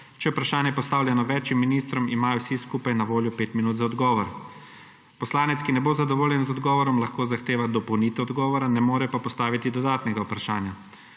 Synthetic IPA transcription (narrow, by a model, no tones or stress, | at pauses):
t͡ʃɛjɛupɾaʃaːnjɛpɔst̪aːwlʲjanɔʋɛːt͡ʃjimːiniːst̪ɾɔmimaːjɔwsiskuːpajnaʋoːljɔpeːt̪minuːt̪zaɔd̪ɡɔːʋɔɾ | pɔslaːnɛt̪skinɛbozad̪ɔʋoːljɛnzɔd̪ɡɔːʋɔɾɔmlaxkoːzaxt̪eːʋad̪ɔpɔwniːt̪ɛɔd̪ɡɔːʋɔɾanɛmoːɾɛpapɔst̪aːʋit̪id̪ɔd̪aːt̪nɛɡaupɾaʃaːnja